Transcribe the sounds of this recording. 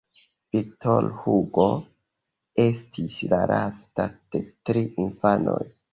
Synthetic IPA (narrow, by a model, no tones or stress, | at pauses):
vitolhuɡo̞ | e̞stʰislaɾastad̥e̞tɾiinfano̞̰j